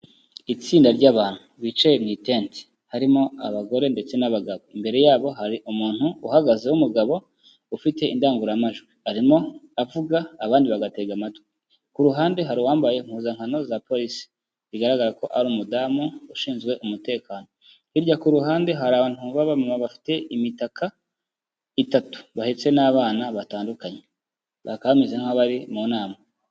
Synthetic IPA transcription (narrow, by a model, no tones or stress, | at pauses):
it͡siːndaɾɟaːβaːn̥huβit͡ʃajemŋitent | haɾimo̞aβaɡo̞ɾe̞nde̞t͡se̞naβaɡaβo̞imbe̞ɾe̞jaːβo̞ɦaɾiʔumuːn̥huːhaɡaze̞wumuɡaβo̞ | ufite̞indaːŋɡuɾamaʒɡwiaɾimo̞avuɡaːβaːndiβaɡate̞ɡamatwe | kuɾuɦaːnde̞ɦaɾiwaːmbaje̞ŋ̥huːzaŋhano̞zapo̞ɾisi̥ | ziɡaɾaɡaɾako̞ʔaɾuːmudaːmuuʃiːnzɡwe̞ʔumute̞ːkaːno̞ | hiɾɟakuɾuɦaːnde̞ɦaɾaːβaːn̥uβaβamamaβafi̥te̞imitaka | itatu̥βahet͡se̞naβaːnaβataːndukaɲe | βakaamizeŋ̥aβaɾimunaːma